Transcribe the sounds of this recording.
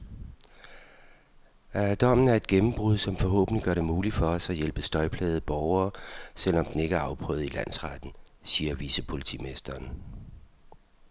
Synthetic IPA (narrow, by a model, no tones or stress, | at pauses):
æd̥ɒ̽m̰n̩æɐe̝d̥̚ɡ̥emm̩b̥ʁuð̞̰ˠsɒ̽mfɒ̽ɦɔ̰̽ːb̥niɡ̥ɶɐɾ̥e̝muːlid̥fɒ̽ɒ̽sæjelb̥əsd̥ɒ̽ɪpʰlɛːð̩ˠb̥ɒʊɐːsel̰ɒ̽md̥ene̝ɡ̥əæɐɑ̈ʊpʰʁœ̰ːð̩ˠilæn̰sʁad̥n̩ | siːɐʋisəpʰo̝lit͡sʰḭme̝sd̥ɐːn